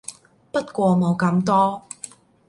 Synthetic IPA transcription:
pɐ˥t̚kʷɔː˧mo˨˧wkɐ˧mt̪ɔː˥

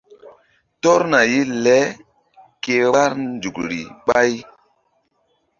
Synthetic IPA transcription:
tɔ˦ɾna˨ji˦lɛ˦ | ke˨wa˦ɾnd͡ʒu˨kɾḭ˨ɓa˦j

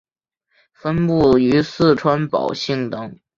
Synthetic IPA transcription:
fə˥npu˥˩y˧˥sɹ̩˥˩ʈ͡ʂʰwa˥npɑ̰˨˩ʊɕi˥˩ŋt̪ɤ˧˥ŋ

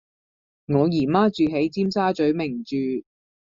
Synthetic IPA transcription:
ŋɔː˨˧jiː˨˩maː˥t͡ʃyː˨ɦe˨˥jt͡siː˥msaː˥t͡ʃɵ˨˥ɥmɪ˨˩ŋt͡ʃyː˨˧

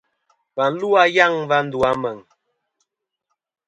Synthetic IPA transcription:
va˨n̩˦lu˦a˦ja˦˨ŋva˦n̩˦du˨a˦mə˨ŋ

